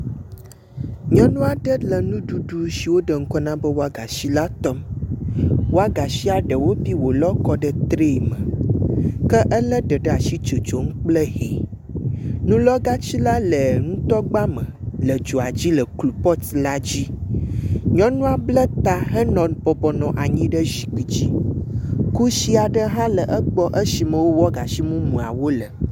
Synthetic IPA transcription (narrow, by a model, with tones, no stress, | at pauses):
ɲɔ̃˦nũ˦a˨ɖə˦lə˨nũ˦ɖu˨ɖu˨si˨wo˦ɖə˨ŋ̩˦kɔ˦nã˦bə˦wo˦a˦ɡa˨si˦la˦t̪ɔ˦m | wo˦a˦ɡa˨si˦a˨ɖə˨wo˦pi˦wo˨lɔ˦kɔ˦ɖə˨t̪ɾe˦˨mə˨ | kə˦ʔə˦lə˦ɖə˨ɖə˦a˨si˦t͡ʃo˨t͡ʃo˨ŋ̩˦k͡plə˦ɦi˨ | nũ˦lɔ˦ɡa˦t͡ɕi˦la˦lə˨ŋũ˦t̪ɔ˦ɡ͡ba˦mə̃˨lə˨d͡ʒo˨a˨d͡ʑi˦lə˨klu˨pɔ˦t̪la˦d͡ʑi˦ | ɲɔ̃˦nũ˦a˨blə˦t̪a˨ɦə˦nɔ̃˨nbɔ˨bɔ˨nɔ̃˨ʔa˨ɲĩ˦ɖə˦zi˨ki˨d͡ʑi˦ | ku˦ʃi˦a˨ɖə˦ɦã˦lə˨ʔə˦k͡pɔ˦ʔə˦si˨mə̃˨wo˦wɔ˦ɡa˨si˦mũ˦mũ˨a˨wo˦lə˨